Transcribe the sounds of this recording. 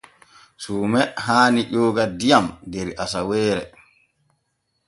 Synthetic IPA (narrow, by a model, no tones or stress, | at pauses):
suːmɛɦaːniʄɔːɡadijamdɛɾiʔasawɛːɾɛ̰